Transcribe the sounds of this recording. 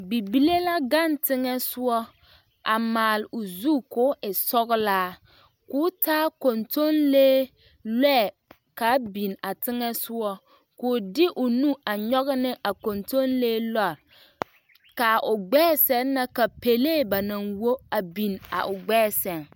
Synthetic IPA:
bi˨bi˦le˦la˦ɡa˦˨ntɪ˦ŋɛ˦sʊ˦ɔ˦ | ʔa˨maː˨lʊ˨zu˦˨kʊ˦ɪ˨sɔ˦ɣɪ˦laː˦ | kʊː˦taː˦ko˨nto˦nleː˦ | lɛ˦˨ | ka˨˦bi˨na˨tɪ˦ŋɛ˦sʊ˦ɔ˦ | kʊ˨˦dɪ˦ʔʊ˨nu˦ʔa˨ɲɔ˦ɣɪ˦nɪ˦ʔa˨ko˨nto˦nleː˦la˦˨ɾ | ka˨ʔʊ˨ɡ͡bɛː˦sɛ˦n˦na˦ka˨pe˨leː˦˨ba˨na˨ŋwo˦a˨bi˨na̰˨ʔʊ˨ɡ͡bɛː˦˨sɛ˨n

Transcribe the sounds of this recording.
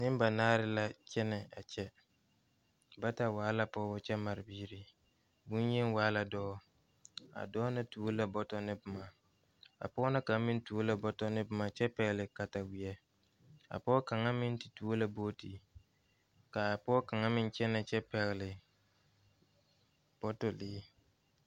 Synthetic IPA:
nɪ˦m˦ba˨naː˦ɾɪ˦la˦t͡ʃɛ˦nɛ˨a˨t͡ʃɛ˦ | ba˦ta˨waː˨˦la˦pɔː˦bɔ˦t͡ʃɛ˦ma˨ɾɪ˨biː˦ɾi˨ | bu˦n˦je˦n˦waː˦la˨dɔː˦ | a̰˨dɔː˦na˦tuː˦la˦bɔ˦tɔ˦nɪ˦bɪ˨ma˨ | a̰˨pɔ˦na˦ka˨˦mɪ˦n˦tu˦o˦la˨bɔ˦tɔ˦nɪ˦bɪ˦ma˨t͡ʃɛ˦pɛ˨ɣɪ˨lɪ˨ka˨ta˨wi˨ɛ˦ | a̰˨pɔ˦ka˨ŋa˦mɪ˦n˦tɪ˨tu˦o˦la˦boː˦ti˨ | ka˨pɔː˦ka˨ŋa˦mɪ˦n˦t͡ʃɛ˦na˨t͡ʃɛ˦pɛ˨ɣɪ˨lɪ˨ | b̥ɔ˦tɔ˨lɪː˦

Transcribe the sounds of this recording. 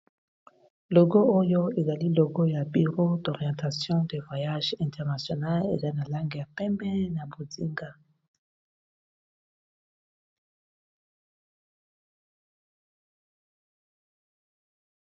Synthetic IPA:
lo˨ɡo˦o˦jo˦e˨za˨li˦lo˨ɡo˦ja˨bi˨ʁo˦dɔ˨ʁi˨ɑ̃˨ta˨sjɔ̃˦de˨vwa˨ja˦ʒɛ̃˨tʰɛ˨ʁna˨sjo˨na˦lḛ˨za˦na˨la˦ŋɡe˨ja˨pɛ˦mbɛ˦na˨bo˨zi˦ŋɡa˦

